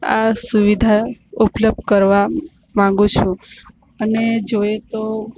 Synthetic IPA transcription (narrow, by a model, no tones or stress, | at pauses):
a̰suʋid̪ʱaupləb̚d̪̚kəɾʋa | mãŋɡũt͡ʃʰũ | əned͡ʒoet̪o